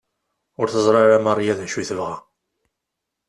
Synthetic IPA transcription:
ʊɾθəzˤɾˤɑɾæmɑrˤjæðnʃuθəvʁæ

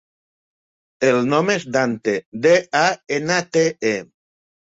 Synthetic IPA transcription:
elnomezd̪ant̪ed̪eaenat̪ee

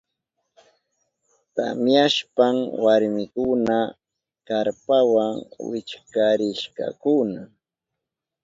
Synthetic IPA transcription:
t̪a̰mjaʃpaŋwaɾmɪkʊna | kaɾpawaŋwɪ̰t͡ʃkaɾɪʃka̰kʊna

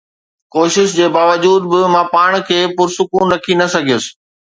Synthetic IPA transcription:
koːʃɪʃd͡ʑeːbaːʋəd͡ʑuːd̪bɪmãpaːɽ̃kʰeːpʊɾsʊkuːnɾɐkʰinɐsɐɡʱijʊsɪ̥̆

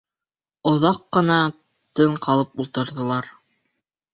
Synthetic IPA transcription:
ŏðɑqːɤ̆nɑ | t̪ɤɴqɑlˠɤpulˠt̪ɤ̆ɾðɤ̆lˠɑɾ

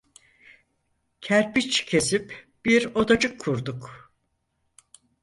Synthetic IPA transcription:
cʰæɾpit͡ʃcʰe̞sip | b̥iɾo̞d̪ad͡ʒɯkʰːuɾd̪uk

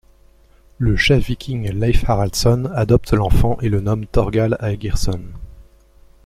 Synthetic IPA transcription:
ləʃɛfvikʲʰiŋlajfaʁalt̪sɔnad̪ɔp̚t̪lɑ̃fɑ̃ʔelənɔmt̪ɔʁɡalajɡʲiʁsɔn

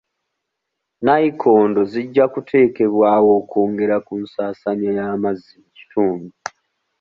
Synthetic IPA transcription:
najikʰo̞ːndo̞ziɟːakutʰe̞ːke̞βwaːwo̞ːkoːŋɡe̞ɾakunsaːsaɲajaːmazːici̥tʰuːmbu

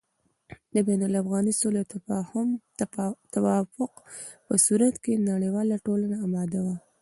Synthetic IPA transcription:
d̪əbanalafɣɑnisoleawt̪afɑhʊm | t̪awɑfʊqpəsuɾat̪kenaɽewɑlaʈolanaːmɑd̪awa

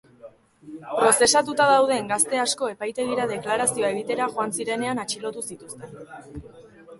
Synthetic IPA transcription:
pɾo̞se̞sat̪ut̪að̞awð̞e̞ŋɡast̪e̞asko̞e̞pajt̪eðiɾaðe̞klaɾasio̞ae̞ɣ̞it̪e̞ɾaʝoansiɾe̞ne̞anat͡ʃilo̞t̪usit̪ust̪e̞n

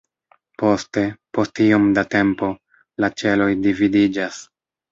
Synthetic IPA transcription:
po̞ste̞po̞stiomdate̞mpo̞ | lat͡ʃe̞lo̞jdividid͡ʒas

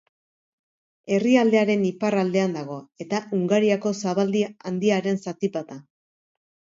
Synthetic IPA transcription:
e̞riald̪e̞aɾe̞niparald̪e̞and̪aɣ̞o̞e̞t̪auŋɡaɾiako̞saβald̪iand̪iaɾe̞nsat̪ipat̪a

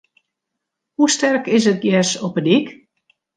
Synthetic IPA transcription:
hustɛrkɪs̬ət̚jɛsɔpədik

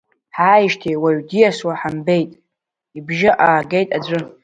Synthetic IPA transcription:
ħaːjiʃtʰejwaɥdijaswaħambejtʼ | ibʒaʔaːɡejtʼad͡zʷɨ

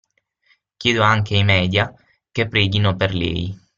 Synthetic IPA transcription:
k̟jeːd̪oaŋkeijmɛːd̪ja | kepːɾɛːɡinoperlɛ̰ːj

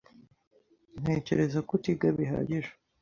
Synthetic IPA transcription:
n̥he̞ːce̞ɾe̞zakotiɡaβiɦa̰ːɟiʒḁ

